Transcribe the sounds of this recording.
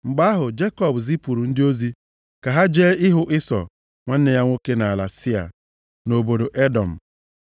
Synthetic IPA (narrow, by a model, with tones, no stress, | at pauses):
ŋ͡m̩˨ɡ͡ba˦ɦʊ˨d͡ʒe˦kɔ˨bzi˦pu˨ɾu˨n̩˦dɪ˦o˦zi˦ | ka˨ɦa˦d͡ʒeː˦ɪ˦ɦʊ˦ʔɪ˦sɔ̰˨ | ŋʷa˦n̩˦ne˨ja˦ŋʷo˦ke˦na˨a˨la˨si˦a̰˨ | no˨bo˨do˨ʔe˦dɔ˨m̩˨